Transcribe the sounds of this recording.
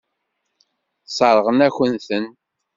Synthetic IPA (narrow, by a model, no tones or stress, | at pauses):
sˤɑɾˤəʁənæçʷənθən